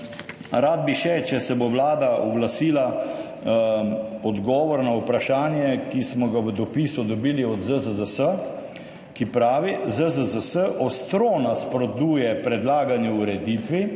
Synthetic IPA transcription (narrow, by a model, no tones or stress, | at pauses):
ɾaːd̪̚biʃɛt͡ʃɛsɛboʋlaːd̪aɔɡlasiːla | ɔd̪ɡɔːʋɔɾnaupɾaʃaːnjɛkismɔɡaʋəd̪ɔpisud̪ɔbiːliɔd̪zəzəzəsə | kipɾaːʋizəzəzəsəʔɔst̪ɾonaspɾɔd̪uːjɛpɾɛd̪laːɡanjɛuɾɛd̪it̪ʋi